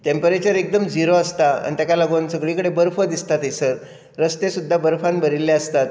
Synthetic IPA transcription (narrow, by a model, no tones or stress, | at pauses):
t̪empəɾet͡ɕəɾek̚d̪əmd͡ziɾoəst̪aə̰ɳ̃it̪jakaləɡoːnsəɡɭikəɽebəɾfəd̪ist̪at̪esəɾ | ɾəst̪esud̪ʱːabəɾfãnbʱəɾilːeəst̪at̪̚